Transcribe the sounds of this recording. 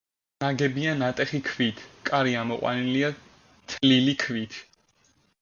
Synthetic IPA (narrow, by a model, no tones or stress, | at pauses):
naɡɛbianat̪ʼɛχikʰvit̪ʰkʼaɾiamɔqʼwa̰nilia | t̪ʰlilikʰvit̪ʰ